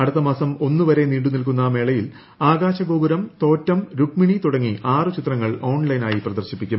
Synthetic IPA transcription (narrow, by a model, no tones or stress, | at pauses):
ɐɽut̪ːɐmaːsɐmo̞nːuʋɐɾe̞niːɽunilk̬unːɐme̞ːɭɐjil | aːɡaːɕɐɡoːɡuɾɐmt̪o̞ːtːɐmɾuʈmiɳit̪uɽɐŋːiʔaːrɨt͡ɕit̪rɐŋːɐɭo̞ːɳlɐjnaːjiprɐd̪ɐrɕipːikʲːum